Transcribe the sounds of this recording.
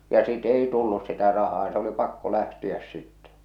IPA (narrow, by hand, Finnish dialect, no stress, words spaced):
jɑ sit ei tulːus sitæ rɑhɑː s oli pɑkːo læhtiæs sitːɛ